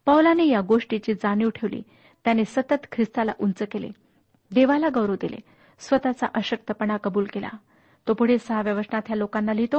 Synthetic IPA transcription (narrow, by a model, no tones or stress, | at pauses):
pəwlanejaɡoʂʈit͡ɕiːd͡zaniʋʈʰeʋlḭː | t̪janesət̪ət̪kʰɾist̪ala̰ʔunt͡səkelḛ | d̪eʋalaɡəʋɾəʋd̪elḛ | sʋət̪at͡sa̰ʔəɕək̚t̪əpəɳ̃akəbuːlkela̰ | t̪opuɽ̤esəɦaʋjəʋəʂɳat̪jalokanːalit̪o